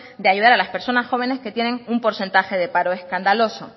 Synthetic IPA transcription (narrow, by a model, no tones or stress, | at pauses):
d̪eaʝuðaɾalaspe̞ɾso̞nasxo̞β̞e̞ne̞ske̞t̪je̞nẽ̞ŋumpo̞ɾse̞nt̪axe̞ðe̞paɾo̞eskand̪alo̞so̞